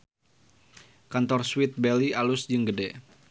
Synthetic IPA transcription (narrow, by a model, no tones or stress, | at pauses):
kant̪ɔrswɪt̪̚bɛlialʊsd͡ʒɨŋɡədɛ